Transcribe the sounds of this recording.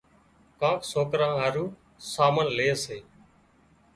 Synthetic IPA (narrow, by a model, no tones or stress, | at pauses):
kãːksoːkɾãːɦaːɾuː | saːmənleːseː